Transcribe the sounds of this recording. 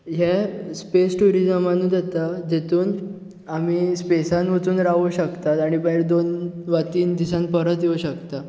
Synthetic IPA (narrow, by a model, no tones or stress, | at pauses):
ɦespesʈuɾid͡zəmanːuːd͡z̪at̪ad͡ʑet̪uːn | amiːspesanʋət͡suːnɾaʋuɕəkt̪at̪aɽ̃ibəjɾd̪onʋat̪iːnd̪isãnpəɾət̪jeuɕəkt̪a